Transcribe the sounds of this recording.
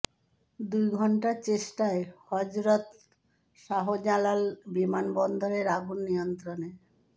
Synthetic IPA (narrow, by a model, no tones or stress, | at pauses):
d̪ujɡʱɔɳʈaɾt͡ɕeʃʈaehɔd͡ʑɾot̪ | ʃaɦod͡ʑalalbimanbɔnd̪ʱoɾeɾaɡunːijont̪ɾone